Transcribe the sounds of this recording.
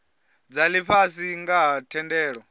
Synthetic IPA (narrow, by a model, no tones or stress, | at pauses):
d͡zaliɸʰasiŋɡaɦtʰɛndɛːɺɔ